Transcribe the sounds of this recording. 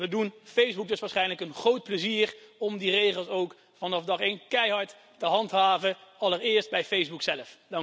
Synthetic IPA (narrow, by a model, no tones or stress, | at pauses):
ʋədunfejzbuk̚dɵsʋaːɹsχɛjnləkənχrowt̚pləziːrɔmdirejχəlˠsowk | fɑnɑfdɑχejnkɛjɦɑɹt | təɦɑntɦaːvəɑləɹɪːɹst̚bɛjfejzbuksɛləfdɑŋ